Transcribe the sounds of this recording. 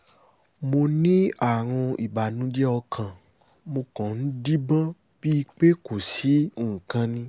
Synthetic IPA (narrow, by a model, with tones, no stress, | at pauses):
mo˧nĩ˦a˦˨w̃ɔ̃˧i˨ba˨nũ˨˦d͡ʒɛ˦ɔ˧kʰã˨ | mo˧kɔ̃˨n̩˦di˦bã˦ | b̥i˦i˧k͡pe˦ko˨si˨˦˨ŋ̩˨kã˧nĩ˧